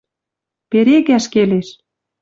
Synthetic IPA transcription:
peɾeɣæʃkeleʃ

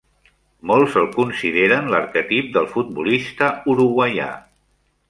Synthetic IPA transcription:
molˠzəlˠkunsiðeɾənləɾkət̪ip̚d̪əlˠfut̪̚bulist̪əuɾuɣwəja̰

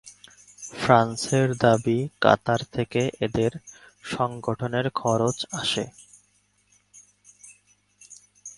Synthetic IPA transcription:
fɾanseɾd̪abika̰t̪aɾt̪ʰekeʔed̪eɾʃɔŋɡoʈʰoneɾkʰɔɾot͡ɕaʃḛ

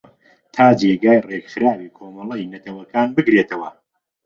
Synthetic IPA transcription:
t̪ʰaːd͡ʒeːɡaːjreɡxɨɾaːwiːkʰoːmɐlˠɐjnɐt̪ʰɐwɐkaːnbɨɡɾeːt̪ɐwɐ

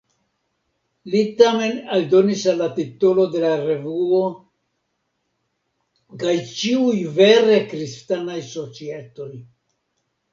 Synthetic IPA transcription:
litame̞nald̪o̞nisalːat̪it̪olo̞d̪e̞laɾe̞vuo | kajt͡ʃiujve̞ɾekɾistanajso̞t͡siet̪o̞j

